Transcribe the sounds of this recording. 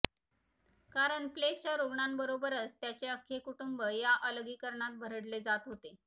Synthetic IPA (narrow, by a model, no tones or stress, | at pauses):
kaɾəɳplekt͡ɕjaɾuɡɳambəɾobəɾət͡st̪jat͡ɕeəkʰːekuʈumbəjaʔələɡiːkəɾɳat̪̚bʱəɾəɽled͡zat̪ɦot̪e